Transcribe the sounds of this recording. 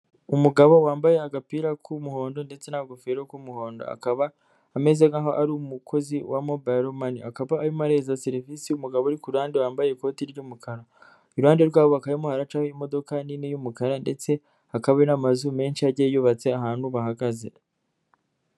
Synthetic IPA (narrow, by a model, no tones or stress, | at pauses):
umuɡaβo̞waːmbaje̞aɡapiːɾakʰumuho̞ːndo̞nde̞t͡se̞naɡufeɾokumuho̞ːndo̰a̰kaβaː | me̞zeɡaɦo̞ʔaɾumukʰo̞ziwamo̞baɾomaniakaβaːɾimaɾe̞ːzaseɾifisiumuɡaβoɾikuɾuhaːndewaːmbajeko̞ːtiɾɟumukʰaɾa | uɾuaːndeɾɡwaːβoakajimohaɾat͡ʃahojimo̞do̞kaninijumukaɾande̞t͡se̞ | akaβenamazume̞ːnʃiaɾɟejuβat͡se̞aɦaːn̥huβahaɡaze